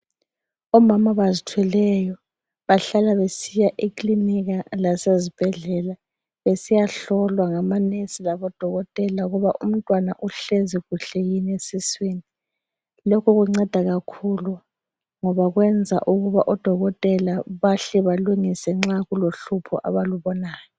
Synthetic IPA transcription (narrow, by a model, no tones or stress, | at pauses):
ɔmamaβazitʰwɛlɛjɔ | βaɬalaβesijaʔikʼliniɣalasezib̥ʱɛɮɛla | βesijaɬɔlwaŋamanesilaβɔd̥ʱɔɣɔtʼɛlauɣuβaʔum̩tʼwanaʔuɬeziɣuɬɛjinesisweːni | lɔkʰɔɣuŋ͡ǀɛd̥ʱaɣakʰulu | ŋɔβaɣwɛnd͡zʱa̰ʔuɣuβaʔɔd̥ʱɔɣɔtʼɛlaβaɬɛβaluŋisɛŋ͡ǁaɣuloɬupʰɔ̰ʔaβaluβɔnaːjɔ